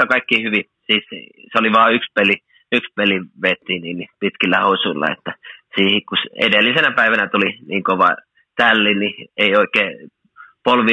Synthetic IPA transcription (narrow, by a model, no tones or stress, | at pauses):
okɑikːiːhyʋi | siːsseoliʋɑːykspeli | ykspeliʋet̪ːiːniːnːipit̪kilːæhousuilːɑ̰ḛt̪ːæsiːhikkusḛdelːisenæpæiʋænæt̪uliniːŋkoʋɑ̰ | t̪ælːinnieioikːˑeː | polʋi